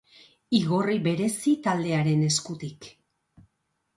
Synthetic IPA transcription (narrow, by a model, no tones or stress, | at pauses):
iɣoriβe̞ɾe̞sit̪ald̪e̞aɾe̞ne̞skut̪ik